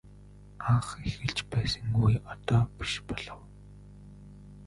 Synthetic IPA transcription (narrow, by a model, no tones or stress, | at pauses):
aχexɘ̆ɬt͡ɕpæːsə̆ŋujɔt̪ɔːpi̥ʃpɔɮɞ̆w